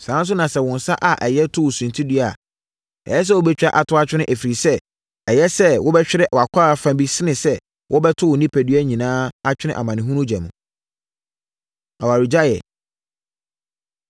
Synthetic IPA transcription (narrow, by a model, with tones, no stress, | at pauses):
sã˨˦n˦s̬ʊ˦nã˨sɛ˦wɔ̃˨n̩˨sa˦ʔa˨ʔɛ˨jɛ˦tʰʊ˦wʊ˨sũ˨n˨tʰi˦di˦a˨ | ɛ̰˨jɛ˦s̬ɛ˦wo˦bɛ˦t͡ɕᶣa˨ʔa˨tʰʊ˦a˦t͡ɕᶣɪ˦nɪ̃˦ʔæ˨fi˨ɾi˨sɛ˦ | ɛ˨jɛ˦sɛ˦wɔ˦bɛ˦t͡ɕᶣɪ˦ɾɛ˦ʔɔ˨a˨kʷʰa˦˨fã˦bi˦sɪ˦nɪ̃˨sɛ˦ | wɔ˦bɛ˦tʰʊ˦wʊ˨nĩ˦pʰæ˨dɥæ˦˨ɲĩ˨nãː˦a˦t͡ɕᶣɪ˦nɪ̃˦ʔa̰˨mã˨nɪ̃˨ɦũ˦nũ˦d͡ʑɛ̃˨mũ˨ | a˨wa˨ɾi˨d͡ʑa˦jɛ̰˨